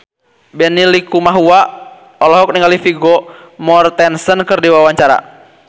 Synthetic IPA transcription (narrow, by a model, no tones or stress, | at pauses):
bɛnilikumaɦua | ɔlɔɦɔk̚niŋɡalifiɡɔmɔrt̪ɛnsənkərdiwawaɲt͡ʃaɾa̰